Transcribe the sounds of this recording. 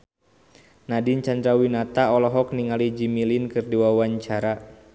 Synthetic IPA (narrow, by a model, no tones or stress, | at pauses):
nadint͡ʃand̪ɾawinat̪aɔlɔɦɔk̚niŋalid͡ʒimilinkɨrdiwawaɲt͡ʃaɾa